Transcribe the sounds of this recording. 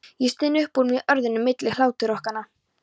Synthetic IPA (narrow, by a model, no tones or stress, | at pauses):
jɛst̪ɪnːʏhpuɾmjɛʔœɾðʏnːʏmːɪt̪lɪhlaːwt̪ɪɾɔhkanːa